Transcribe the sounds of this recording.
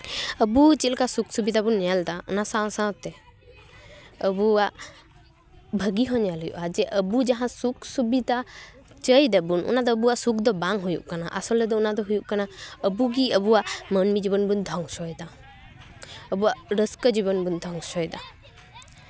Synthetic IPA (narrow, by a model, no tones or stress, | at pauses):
əbut͡ʃit̪lkasuksubid̪abunːɛld̪aṵnasãw̃sãwt̪ɛ | əbuaʔ | bʱəɡiɦɔɲjalɦujṵʔad͡ʒɛʔəbud͡ʒaɦãsuksubid̪a | t͡ʃəjd̪abunʔṵnad̪ɔəbuaʔsuk̚d̪ɔbaŋɦujṵʔkana̰ʔasɔlɛd̪ɔunad̪ɔɦujuʔkanaəbuɡiəbuwaʔmənmid͡ʒibɔnbund̪ʱɔŋsɔjd̪a | əbuaʔɾəskəd͡ʒibɔnbund̪ʱɔŋsɔjd̪a